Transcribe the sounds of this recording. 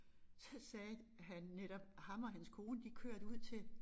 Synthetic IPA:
sɒ̽sɛː | ɦænːeɾ̥ɒ̽b̥hɑ̈mɒ̽ɦænskʰo̝ːnəd̥ikʰøɐ̰d̥uð̞̰ˠt͡sʰe̝l

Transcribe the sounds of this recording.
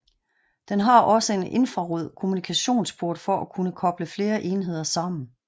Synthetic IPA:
d̥enɦɑ̈ʔɒ̽səe̝ne̝nfʁɑ̈ʁɔð̰ˠkʰo̝munikʰæɕo̝̰ːnsb̥ʰoɐd̥fɒ̽ʔækʰunəkʰɒ̽b̥ləfle̝ːɐʔe̝ːnɦe̝ð̞̰ˠɐsɑ̈m̰n̩

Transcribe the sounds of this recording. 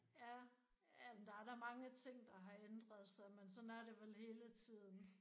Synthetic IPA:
æ | æd̥ɑ̈æɐɾɑ̈mɑ̈ŋət͡sʰe̝ŋ̰d̥ɑ̈ɦɑ̈end̥ʁɐð̞ˠsɑ̈ɪmensɒ̽næɐɾe̝ʋelhe̝ːlət͡sʰið̰ˠn̩

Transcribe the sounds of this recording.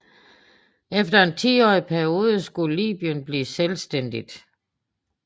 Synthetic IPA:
efd̥ɐe̝nt͡sʰḭːɒ̰ːipʰæɐio̝ːð̞ˠsɡ̥ulḭːb̥iənb̥liːselsd̥en̰d̥id̥

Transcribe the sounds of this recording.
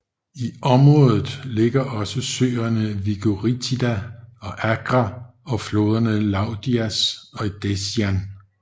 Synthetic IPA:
iʔɒ̽mʁɔ̽ːðˠð̩ˠle̝ɡ̥ɐʔɒ̽səsø̰ːɐnəʋiɡ̥oʁit͡sʰidæɒ̽ʔæɡ̥ʁɑɒ̽flo̝ːð̞ˠɐnəlɑ̈ʊd̥iæsɒ̽id̥esjæn

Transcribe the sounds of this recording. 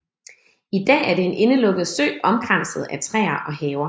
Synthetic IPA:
id̥ɛ̰ːæɐɾ̥e̝enʔe̝nəlɔ̽ɡ̥ð̩ˠsø̰ːɒ̽mɡ̥ʁan̰sð̞̩ˠæt͡sʰʁɛ̰ːɐʔɒ̽hɛːʊɐ

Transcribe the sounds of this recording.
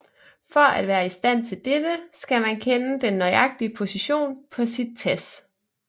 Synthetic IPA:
fɒæd̥ʋæːɐisd̥æn̰t͡sʰe̝ld̥ed̥əsɡ̥æmænkʰenəd̥enːɒɪɑ̈ɡ̥̚d̥iəpʰo̝siɕo̝̰ːnpʰɒ̽sid̥̚t͡sʰes

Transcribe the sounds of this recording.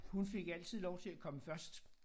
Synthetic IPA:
hunfe̝ɡ̥æl̰t͡sʰið̞̰ˠlɒʊt͡sʰe̝lækʰɒ̽məfɶɐsd̥

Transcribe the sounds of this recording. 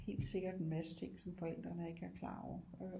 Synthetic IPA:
he̝̰ːld̥se̝ɡ̥ɐd̥enmæsət͡sʰe̝ŋ̰sɒ̽mfɒ̽el̰d̥ʁɐnəe̝ɡ̥æɐkʰlɑ̰̈ːɒ̰ɐø

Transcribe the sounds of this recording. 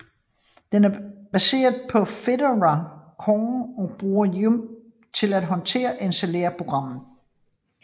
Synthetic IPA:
d̥enæɐb̥æse̝̰ːɐðˠpʰɒ̽fe̝dəʁækʰɒŋɒ̽b̥ʁuːɐjum | t͡sʰe̝læd̥ɦɒ̽nt͡sʰe̝̰ːɐʔenselḛɐpʰʁo̝ɡ̥ʁɑ̈m̰n̩

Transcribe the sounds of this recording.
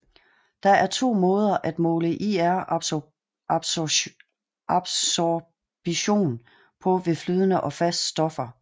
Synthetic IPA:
d̥ɑ̈æɐt͡sʰo̝̰ːmɔ̽ːð̞ˠɐʔæd̥mɔ̽ːləʔiæɐ | b̥ | ɑb̥s | b̥iɕo̝̰ːn | pʰɒ̽ʋe̝flyːðˠənəʔɒ̽fæsd̥sd̥ɒ̽fɐ

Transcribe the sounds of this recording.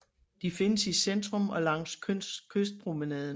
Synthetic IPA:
d̥ife̝nəsisend̥ʁɔ̽mɒ̽lɑ̈ŋ̰sʰkʰøsd̥̚pʰʁominɛðˠn

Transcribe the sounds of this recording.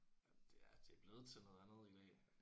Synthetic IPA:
d̥e̝æd̥e̝æb̥le̝ːð̞̩ˠt͡sʰenɔ̽ːð̞ˠænð̩ˠid̥ɛ̰ː

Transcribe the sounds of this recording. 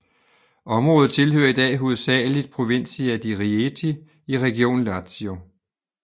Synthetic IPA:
ɒ̽mʁɔ̽ːð̩ˠt͡sʰe̝lhø̰ːɐid̥ɛ̰ːɦoð̩ˠsɛ̰ːlid̥̚pʰʁo̝ʋe̝n̰siæd̥iʁiet͡sʰi | iʁɛɡ̥io̝̰ːnlɑt͡sʰio

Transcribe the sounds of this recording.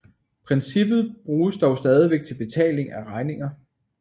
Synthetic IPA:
pʰʁɛnsib̥ð̞̩ˠb̥ʁuːsd̥ɒʊsd̥ɛːð̞ˠiʋeɡ̥̚t͡sʰe̝lb̥e̝t͡sʰɛ̰ːle̝ŋæʁɑ̈ɪne̝ŋɐ

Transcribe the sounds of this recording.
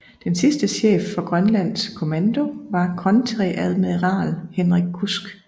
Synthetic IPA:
d̥ensisd̥əɕḛːfːɒ̽ɡ̥ʁɶnlæn̰skʰo̝mænd̥o̝ʋɑ̈kʰʁɒ̽nt͡sʰʁiʔæð̞ˠmeðˠʁɑ̰̈ːlhenʁiɡ̥̚kʰusɡ̥

